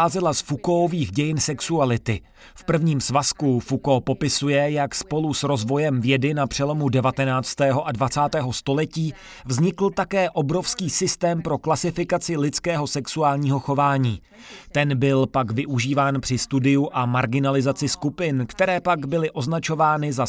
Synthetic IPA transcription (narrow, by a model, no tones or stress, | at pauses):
aːzɛlasfukooviːxɟɛjɪnsɛksualɪt̪ɪ | fpr̩vɲiːmsvaskufukopo̞pɪsujɛjakspo̞lusɾo̞zvo̞jɛmvjɛdɪnapr̥ɛlo̞mudɛvat̪ɛnaːt͡st̪ɛːɦo̞ʔadvat͡saːt̪ɛːɦo̞st̪o̞lɛciː | vzɲɪkl̩t̪akɛːʔo̞bɾo̞fskiːsɪst̪ɛːmpɾo̞klasɪfɪkat͡sɪlɪtt͡skɛːɦo̞sɛksuaːlɲiːɦo̞xo̞vaːɲiː | t̪ɛnbɪlpaɡvɪʔuʒiːvaːnpr̥ɪst̪udɪjuʔamaɾɡɪnalɪzat͡sɪskupɪnkt̪ɛɾɛːpaɡbɪlɪʔo̞znat͡ʃo̞vaːnɪza